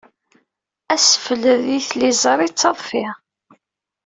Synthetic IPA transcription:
æsəfələðiθlizˤɾˤit͡sːɑðˤfɪ

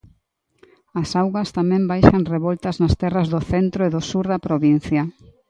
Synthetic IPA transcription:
ɐsawɣɐst̪amɛ̃mbajʃɐŋreβɔlt̪ɐznɐst̪ɛrɐzðʊθent̪ɾʊeðʊsuɾðɐpɾoβin̟θjɐ

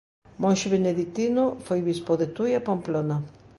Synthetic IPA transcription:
mõnʃeβeneðik̚t̪inʊfojβispoðet̪ujapamplona

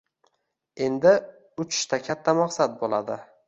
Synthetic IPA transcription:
e̞nd̪ɪ | ʊt͡ʃʰɪ̥ʃt̪ʰakʲʰat̪ʰːamaqsat̪̚bolˠa̰d̪ɪ

